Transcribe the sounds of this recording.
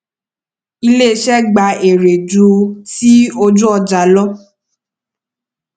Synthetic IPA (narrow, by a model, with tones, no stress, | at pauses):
i˧le˦˧ʃɛ˦ɡ͡ba˧e˨ɾe˨d͡ʒu˧˦ti˦o˧d͡ʒũ˦ɔ˧d͡ʒa˨˦lɔ˦